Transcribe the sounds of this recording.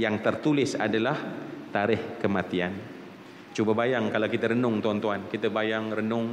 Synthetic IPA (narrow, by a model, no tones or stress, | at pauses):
jaŋt̪ərt̪ulɪsa̰dalaht̪aɾɪhkəmat̪ian | t͡ʃubabajaŋkalawkit̪aɾənʊŋt̪uant̪uankit̪abajaŋrənʊŋ